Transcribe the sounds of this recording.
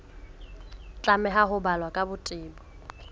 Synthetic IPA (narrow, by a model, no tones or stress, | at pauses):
t͡ɬʼamɛɦaɦʊbalwakʼabʊtʼɪːbɔ